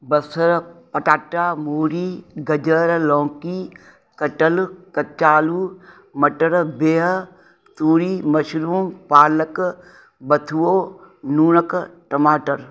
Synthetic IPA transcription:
bɐsəɾpɐʈaːʈːaːmuːɾiːɡɐd͡ʒəɾlɔ̃ːkiː | kɐʈəlkɐt͡ʃaːluː | mɐʈəɾbeːɦ | t̪uːɾiːmɐʃɾuːmpaːlək | bɐt̪ʰuoːnuːnəkʈɐmaːʈəɾ

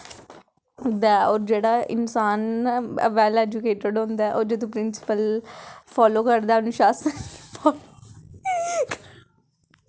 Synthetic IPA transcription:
d̪aːɔːɾd͡ʒeːɽaːʔɪ̰nsaːnə̰ʋɛːlɛːd͡ʒʊkeːʈəɖɦõːnd̪aːʔoːɾd͡ʒed̪õːpɾɪnsɪ̥pəlpʰɔːloːkəɾd̪aːənʊʃaːspʰɔːlo

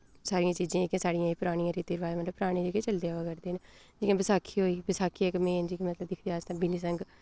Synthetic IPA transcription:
saːɾijãːt͡ʃiːzãːkẽːsaːɽijãːiːpʊɾaːɽ̃ijãːɾiːt̪iːɾʋaːemət̪ləpʊɾaːɽ̃eːd͡ʒeːkeːt͡ʃəld̪eːaʋəkɛɾd̪eːn | d͡ʒiːkãːbɪsaːkʰiːɦoːiːbɪsaːkʰiːkmẽːnd͡ʒiːkimət̪ləbd̪ɪkʰd̪eːaːd͡ʒt̪ãːbiniːs̬əŋɡ

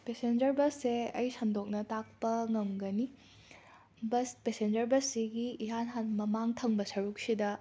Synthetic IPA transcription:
pesend͡ʒɐɾbɐsːeɐjsɐmdok̚nɐtak̚pɐŋɐmɡɐni | bɐspesend͡ʒɐɾbɐsiɡiiɦanɦanmɐmaŋtʰɐŋbɐsɐɾuk̚sidɐ

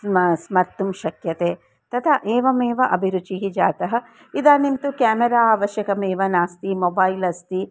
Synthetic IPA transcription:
smɐɾt̪umʃɐkjɐt̪eː | t̪ɐt̪ʰɐʔeːʋɐmeːʋɐʔɐbʱiɾut͡ʃiɦid͡ʒaːt̪ɐɦɐ̆ | id̪aːnint̪ukjaːmeɾaːaːʋɐʃjɐkɐmeːʋɐnaːst̪imoːbaːjlɐst̪i

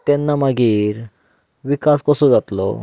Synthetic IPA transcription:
t̪ɛnːamaɡiːɾ | ʋikaskɔsõd͡zat̪lɔ̰

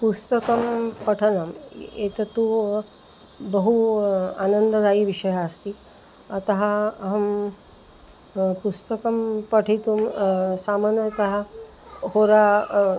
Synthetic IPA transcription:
pust̪ɐkɐmpɐʈʰɐnɐmḛːt̪ɐt̪u | bɐɦua̰ːnɐnd̪ɐd̪aːiʋiʃɐjaːst̪i | ɐt̪ɐɦɐɐɦɐm | pust̪ɐkɐmpɐʈʰit̪umsaːmɐnɐt̪ɐɦɐ | hoːɾa

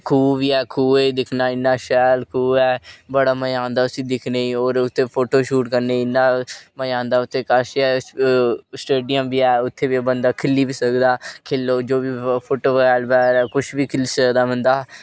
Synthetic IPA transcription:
kʰuːʋiːɛːkʰuːed̪ɪkʰnaːɪnːaːʃɛːlkʰuːɛːbəɽaːməjãːnd̪aːʊsĩːd̪ɪkʰneːiːoːɾʊt̪ʰːeːpʰoːʈoːʃuːʈkəɾneːɪnːãːməjãːnd̪aːʊt̪ʰːeːkəʃɛː | sʈeːɖijəmbiːɛːʊt̪ʰːeːbiːbənd̪aːkʰɪlːiːbiːsəkd̪aːkʰɪlːoːd͡ʒoːbiːpʰoːʈoːʋːlbɛːɾɛːkʊt͡ʃbiːkʰɪlsəd̪aːmənd̪aː

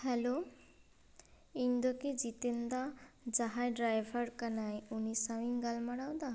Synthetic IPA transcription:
hɛlo | ind̪oked͡ʑit̪end̪ad͡ʒaɦajɖɾajbʱaɾkanajunisawinɡalmaɽawd̪a

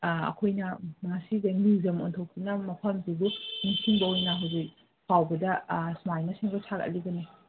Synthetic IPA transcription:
ɐ̰kʰojnɐmɐŋasidɐnuzɐmo̰ntʰɐwkʰinɐmɐpʰɐmzibuniŋsʰiŋbɐojnɐɦawzik̚ | pʰawbɐdɐsmajmɐsiŋɡɐsʰakɐ̰liɡɐni

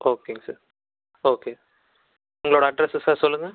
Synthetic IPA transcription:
oːkːeŋɡɐsɐɾ | oːke | uŋɡɐɭoːɽɐɐɖɾesɨsaːsɔlːuŋɡɐ

